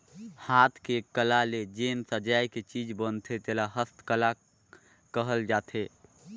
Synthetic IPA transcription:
haːt̪ʰkekəlaled͡ʒeːmsəd͡ʒajket͡ʃid͡ʒbənt̪ʰet̪elaɦəst̪kəla | kəɦəld͡ʒaːt̪ʰe

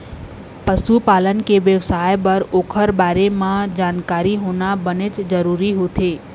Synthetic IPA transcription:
pəʃupalənkeʋjəʋsajbəɾokʰəɾbaɾemãd͡ʒankaɾiɦonabəned͡ʒd͡ʒəɾuɾiɦot̪ʰe

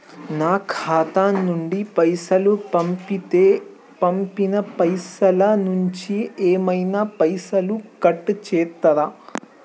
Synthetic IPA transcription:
naːkʰaːt̪aːnːuɳɖipɐjsɐlupɐmpit̪eː | pɐmpinɐpɐjsɐlɐnuɲt͡ʃieːmɐjnaːpɐjsɐlukɐʈːut͡ʃɛːt̪ːɐɾa

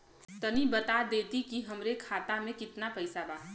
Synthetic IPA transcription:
t̪ənibət̪ad̪eːt̪ikiɦəmɾekʰaːt̪amẽkɪt̪napəɪsabaː

